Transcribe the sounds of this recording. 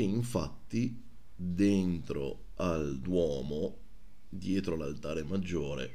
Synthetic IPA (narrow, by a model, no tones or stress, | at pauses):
eiɱfa̰t̪ːi | d̪ent̪ɾo̰ | ald̪wɔːmo | d̪jɛːt̪ɾolalt̪aːɾemad͡ʒːoːɾḛ